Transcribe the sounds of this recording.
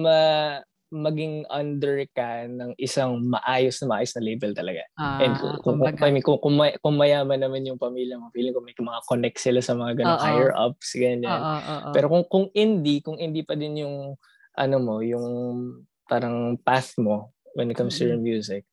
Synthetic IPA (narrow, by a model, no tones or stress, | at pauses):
mɐ | mɐɡɪŋɐnd̪ɛɹkɐnɐŋʔɪsaŋmɐʔaːjosnɐmɐʔaːjosnɐlejbɛlt̪ɐlɐɡaʔɛnd̪kkʊkɐmkʊŋkʊŋmɐkʊŋmːɐjaːmɐnːɐmanjʊŋpɐmiːljɐmobiːlɪŋkʊŋmɐjmɐŋakonɛk̚t̪sɪlasɐmɐŋaɡɐnohajɛɹʔɐ̰p̚sɡɐɲanpɛːɾo̞kʊŋkʊŋɪnd̪ikʊŋhɪnd̪ipɐd̪ɪnjʊŋ | ʔɐ̰nomo̞jʊŋ | paːɾɐŋpaθmo̞ | wɛ̰nɪt̪kɐmst̪ujɐmjuːzɪk̚